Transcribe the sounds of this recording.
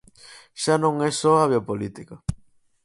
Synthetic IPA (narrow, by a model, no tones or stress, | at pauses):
ʃanõŋesoaβ̞jopolit̪ika